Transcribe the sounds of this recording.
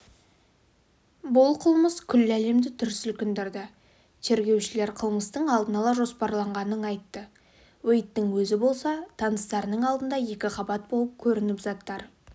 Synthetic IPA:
bʊlˠqʰəlˠməskʲʰʏlːæle̞md̪ɪt̪ʰʏɾsʏlkʲɪnd̪eɾd̪ɪ | t̪ʰe̞ɾɡʲe̞wʃɪle̞ɾqʰəlˠməst̪əɴɑlˠd̪ənɑlˠɑʒo̞spɑɾlˠɑɴʁɑnənɑjt̪ːə | wejt̪ːɪŋwɵzɪbo̞lˠsɑt̪ʰɑnəst̪ɑɾənəɴɑlˠd̪ənd̪ɑje̞kʲɪqɑbɑt̪̚bolˠəp̚kʲʰɵɾɪnɪpzɑt̪ːɑɾ

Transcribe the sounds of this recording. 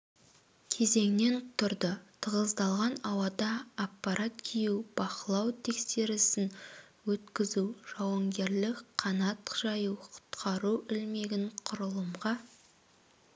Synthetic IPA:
kʲʰe̞ze̞ŋne̞nt̪ʰʊɾd̪ət̪ʰəʁəzd̪ɑlˠʁɑnɑwɑd̪ɑːpːaɾat̪̚kʲʰijuwb̥ɑqəlˠɑwt̪ʰe̞kse̞ɾɪsɪn | wɵt̪kʲɪzuʒ̥ɑwɑŋɡʲe̞ɾlɪkqʰɑnɑt̪ʒ̥ɑjuwqʰʊ̥t̪qʰɑɾuɪlme̞ɡʲɪɴqʰʊɾəlˠəmʁɑ

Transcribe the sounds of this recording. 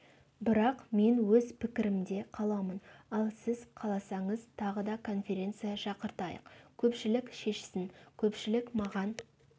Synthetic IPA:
bɪɾɑqme̞nwɵzpʰɪkʲɪɾɪmd̪e̞qʰɑlˠɑmənɑlˠsɪzqʰɑlˠɑsɑɴəzt̪ʰɑʁəd̪ɑkʰo̞nfʲe̞ɾʲe̞nt̪sɨjɑʃɑqəɾt̪ɑjə̰qkʲʰɵpʃɪlɪkʃe̞ʃɪ̥sɪnkʲʰɵpʃɪlɪkmɑʁɑn

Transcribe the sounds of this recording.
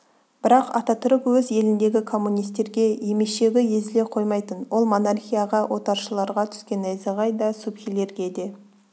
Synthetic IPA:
b̥ɪɾɑqɑ̰t̪ɑt̪ʰʊɾəpwɵzje̞lɪnd̪e̞ɡʲɪkʰo̞mːunijst̪ːe̞ɾɡʲe̞je̞me̞ʃe̞ɡʲɪje̞zɪle̞qʰo̞jmɑjt̪ənwo̞lˠmo̞narχʲijaʁɑwʔo̞t̪ɑɾʃəlˠɑɾʁɑt̪ʰʏ̥skʲe̞næjzɪʁɑjd̪ɑsupxʲijle̞ɾɡʲe̞d̪e̞

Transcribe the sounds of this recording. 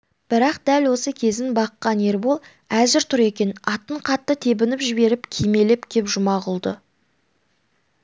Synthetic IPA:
b̥ɪɾɑqd̪̥ælwo̞səkʲʰe̞zɪnbɑqːɑne̞ɾbo̞lˠ | æzɪɾt̪ʰʊɾe̞kʲe̞nɑt̪ːəɴqʰɑt̪ːət̪ʰe̞bɪnɪpʒɪbe̞ɾɪpkʲʰijme̞lɪpkʲʰe̞pʒʊmɑʁʊlˠd̪ə

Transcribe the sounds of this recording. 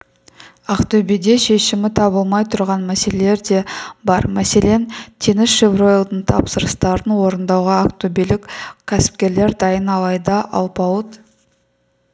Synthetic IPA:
aqt̪obed̪e̞ʃe̞ʃɪmɪt̪ʰɑbəlˠmɑjt̪ʰʊɾʁɑnmæse̞lele̞ɾd̪e̞bɑɾmæse̞le̞nt̪ʲʰe̞nɪsʃevro̞jlˠd̪əɴt̪ʰɑ̰psəɾəst̪ɑɾənwo̞ɾənd̪ɑwʁɑaqt̪obelɪkkʲʰːæsɪ̥p̚kʲe̞ɾle̞ɾd̪ɑjənɑlˠɑjd̪ɑʔɑ̰lˠpɑwˠət̪

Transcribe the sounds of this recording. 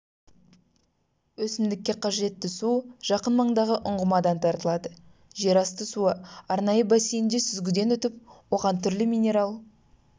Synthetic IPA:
wɵsɪmd̪ɪkʲːe̞qʰɑʒe̞t̪ːɪsuʒ̥ɑqənmɑɴd̪ɑʁəʔʊɴʁəmɑd̪ɑnt̪ʰɑɾt̪əlˠɑd̪ə | ʒe̞ɾɑst̪əsuəɑɾnɑjəbæsejɪnd̪e̞sʏzɡʲɪd̪e̞nɵt̪ɪp̚wo̞ʁɑnt̪ʰʏɾlɪmijnʲe̞ɾalˠ

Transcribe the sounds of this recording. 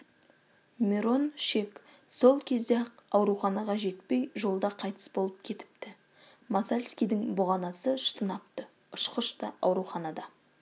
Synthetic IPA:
mʲeɾo̞nʃe̞k | so̞lˠkʲʰe̞zd̪eqɑwɾuχɑnɑʁɑʒe̞t̪pe̞jʒo̞lˠd̪ɑqʰɑjt̪ə̥sbo̞lˠəp̚kʲʰe̞t̪ɪ̥p̚t̪ɪ | mɑzalʲskʲijd̪ɪŋbʊʁɑnɑsəʃə̥t̪ʰənɑp̚t̪ə | ʊʃqəʃt̪ɑɑ̰wɾuχɑnɑd̪ɑ

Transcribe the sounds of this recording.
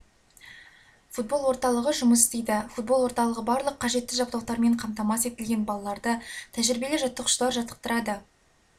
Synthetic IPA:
fut̪̚bo̞lˠwo̞ɾt̪ɑlˠəʁəʒʊməs̬ɪst̪e̞jd̪ɪfut̪̚bo̞lˠwo̞ɾt̪ɑlˠəʁəbɑɾlˠəqʰːɑʒe̞t̪ːɪʒɑp̚t̪ɑwt̪ɑɾme̞ɴqʰɑmt̪ɑmɑse̞t̪ɪlɡʲe̞nbɑlˠɑlˠɑɾd̪ət̪ʰæʒɪɾɪbe̞leʒɑt̪ːəqʰʊ̥ʃlˠɑɾʒɑt̪ə̥q̚t̪əɾɑd̪ə

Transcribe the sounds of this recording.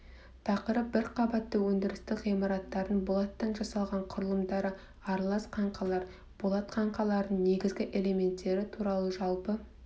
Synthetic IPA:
t̪ʰɑqəɾəp̚bɪɾqʰɑbɑt̪ːəwɵnd̪ɪɾɪst̪ɪʁijmɑɾɑt̪ːɑɾənbʊlˠɑt̪ːɑnʒɑsɑlˠʁɑɴqʰʊɾəlˠəmd̪ɑɾə | ɑɾlˠɑsqʰɑɴqʰɑlˠɑɾ | b̥olˠɑt̪qʰɑɴqɑlˠɑɾd̪əɴne̞ɡʲɪzɡʲɪʔe̞le̞me̞nt̪ːe̞ɾɪt̪ʰuɾɑlˠəʒɑlˠpə

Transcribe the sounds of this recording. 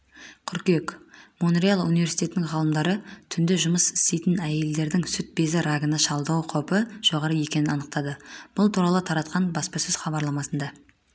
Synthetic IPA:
qʰʏɾkʲekmonrʲialˠṵnijve̞rsijt̪ʰʲe̞t̪ɪnɪŋʁɑlˠəmd̪ɑɾət̪ʰʏnd̪ɪʒʊməsɪ̥st̪e̞jt̪ɪnæje̞ld̪e̞ɾd̪ɪŋsʏt̪̚be̞zɪɾaɡənəʃɑlˠd̪ɑwqʰopəʒ̥o̞ʁɑɾəje̞kʲe̞nɪnɑnəq̚t̪ɑd̪əb̥ʊlˠt̪ʰuɾɑlˠət̪ʰɑɾɑt̪qɑnbɑspɑsʏz̥χɑbɑɾlˠɑmɑsənd̪ɑ

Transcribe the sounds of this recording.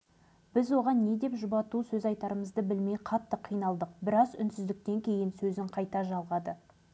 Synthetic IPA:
b̥ɪzwo̞ʁɑnːe̞d̪e̞pʒʊbɑt̪usɵzɑjt̪ɑɾəməzd̪əbɪlmejqʰɑt̪ːəqʰːijnɑlˠd̪əq̚bɪɾɑzʏ̰nsʏzd̪ɪk̚t̪e̞ŋkʲʰe̞jɪnsɵzɪɴqʰɑjt̪ɑʒɑlˠʁɑd̪ə

